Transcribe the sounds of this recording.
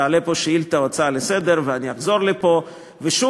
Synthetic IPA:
aalepo̞ʃeilt̪aot͡salesed̪e̞ʁveaniaχzo̞ʁlipo̞ | veʃu

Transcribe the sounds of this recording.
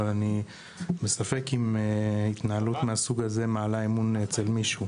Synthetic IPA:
ani | besafe̞kimit̪naalut̪measuɡaze̞maalaemunet͡selmiʃu

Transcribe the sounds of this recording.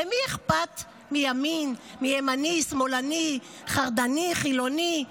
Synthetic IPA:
emieχpat̪ | mijaminmiemanismolani | χaʁd̪aniχilo̞ni

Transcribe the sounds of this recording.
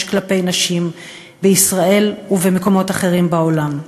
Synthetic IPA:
ʃklape̞jnaʃim | beisʁae̞luvemeko̞mo̞taχe̞ʁimbaolam

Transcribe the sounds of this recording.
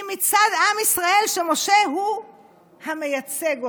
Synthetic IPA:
mit͡sadamisʁaʔe̞lʃe̞mo̞ʃe̞ɦu | hame̞jat͡se̞ɡ

